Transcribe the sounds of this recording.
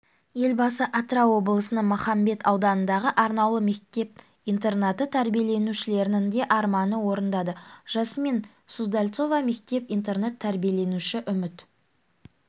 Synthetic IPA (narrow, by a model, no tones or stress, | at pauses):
je̞lbɑsəʔat̪rɑwo̞blˠəsənəɴmʊχɑmbe̞t̪ʰɑwd̪ɑnənd̪ɑʁəʔɑɾnɑwlˠəme̞kt̪e̞p̚ | ijnt̪e̞rnat̪ət̪ʰæɾbije̞le̞nuʃɪle̞ɾɪnɪŋd̪e̞ʔɑɾmɑnəwo̞ɾənd̪ɑd̪əʒ̥ɑsəme̞n | suzd̪alʲt̪so̞vɑme̞kt̪e̞pint̪e̞rnet̪ʰːæɾbije̞le̞nuʃɪʔʏmɪt̪